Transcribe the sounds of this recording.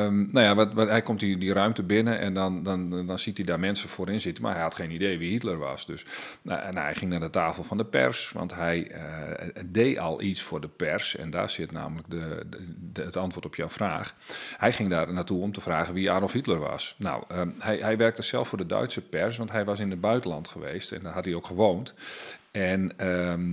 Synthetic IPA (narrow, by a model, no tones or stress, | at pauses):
mnawjaʋthɛjkɔmtidiɾœɥmtəbɪnəʔɛ̰ndɔndɔndɔnsitidaːrmɛnsəfoːɾɪnsɪtənma̰rɦɛjhɑtχeːnidejʋihitlərʋɑ̰sdøsnhɛjxɪŋnaːdətaːfəlˠfɔndəpɛ̰rsʋɑ̰ntɦɛjədejʔɔ̰lˠʔisfʊːrdəpɛrsɛ̰nda̰ːsɪtna̰ːmələk̚də | ətɑntʋʊːtɔpʰjawfra̰ːχhɛjχɪŋdaːrnatuɔmtəfraːɣənʋiaːdɔlˠfhitlərʋɑ̰sna̰wəhɛjɦɛjʋɛrk̚təsɛlˠfʊːdədœ̰ɥtsəpɛrsʋɑntɦɛjʋɑs̬ɪnəd̚bœɥtənlɑntχəʋeːstɛ̰ndɔɦɑt̚iowkχəʋoːnt | ɛnə